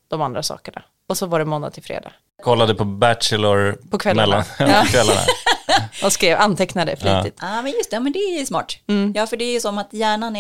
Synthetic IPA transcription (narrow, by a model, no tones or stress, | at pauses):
d̪̥ɔmand̪ɾasɑ̰ːkəɳa̰ | ɔsɔvaɖɛnmɔnːad̪t̪ʰɪlfɾḛːd̪ɑ̰ː | kʰɔlːad̪əpʰɔbæʈʂəlʊɾpʰɔkʰvɛlːmɛlːaɑkʰvɛlːa̰n̰a̰ | ɔskɾeːvanːt̪ʰɛknad̪əfliːɪt̪amɛnjɵst̪ɛmɛnd̪ɛæjsmɑ̰ːʈm̩ːjɑːfœɖɛæɾjəsɔmat̪jæːɳan